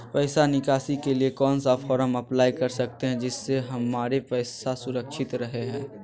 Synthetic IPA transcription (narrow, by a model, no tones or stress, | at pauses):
pɛːsanɪkaːsikeliekɔːnsafʰɔːɾəmɐplaːikɐɾsɐk̚t̪eɦɛ̃d͡ʒɪsːeɦɐmaːɾepɛːsasʊɾəkʃɪt̪ɾɐɦeɦɛ̃ː